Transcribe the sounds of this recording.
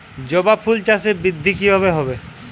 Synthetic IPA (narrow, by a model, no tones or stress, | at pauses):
d͡ʑɔbapʰult͡ʃasebid̪ʱːik̬iɦɔβeɦɔbe